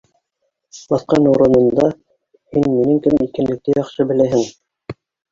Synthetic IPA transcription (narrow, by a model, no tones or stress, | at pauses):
bɑθqɑnuɾɤ̆nɤ̆nd̪ɑ | hinminɘŋkɘmikæ̆nlɘ̆k̚t̪æjɑχʃɤbɘ̆læɦɘŋ